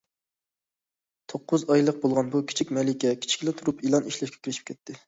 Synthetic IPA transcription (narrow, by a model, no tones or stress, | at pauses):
t̪ʰoqːʊzɑjlˠəq̚bolˠʁɑnbukʲʰi̥t͡ʃʰik̚ʲmɛlɪkʲɛkʲʰi̥t͡ʃʰi̥kʲlɛt̪ʰuɾupilˠɑniʃlɛʃkʲɛ̥kʲiɾɪʃi̥p̚kʲɛt̪ʰːɪ